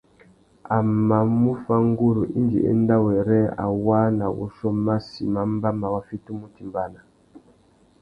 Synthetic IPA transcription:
a˨ma˨mu˦fa˦ŋɡu˦ɾu˨ʔi˦nɡḭ˨ʔɛ̰˦nda˦wɛ˨ɾɛ˦a̰˨wa˦na˨wṵ˦ʃɔ˦ma˦si˨ma˨˦m˦ba˦ma˨wa˦fi˦tu˦mu˦ti˨mba˦na˨

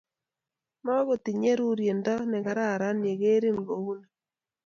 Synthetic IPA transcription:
ma˦ɣo˨ti˨ɲe˦ɾu˦ɾje˨ndɔ˦nɛ˨ɡa˨ɾa˦˨ɾa˦nje˨ɣe˦ɾi˦n˨ɡo˨wu˦na˨

